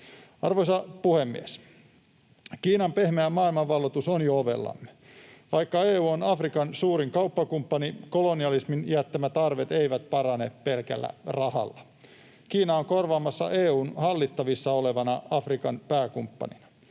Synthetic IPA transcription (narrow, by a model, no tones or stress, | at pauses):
ɑrʋojsɑpuhemːḭes | kiːnɑmpehmeæmɑːilmɑʋʋɑlːot̪usonjooʋḛlːɑ̰mːe̥ʋɑjkːɑeːuːonɑfrikɑnsuːɾiŋkɑupːɑkumpːɑniko̞loniɑlisminjæt̪ːæmæt̪ɑrʋet̪e̞jʋæt̪̚pɑɾɑnepe̞lkæ̰lːæ̰rɑhɑ̰lːɑ | kiːnɑoŋko̞rʋɑːmɑsːɑ̰ʔeːuːnhɑlːit̪ːɑʋisːɑoleʋɑnɑɑfrikɑnpæːkumpːɑ̰nḭnɑ̥